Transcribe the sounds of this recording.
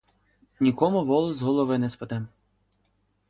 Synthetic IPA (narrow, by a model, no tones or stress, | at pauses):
nʲikɔmʊʋɔlˠɔzɦɔlˠɔʋɪnɛspɐd̪ɛm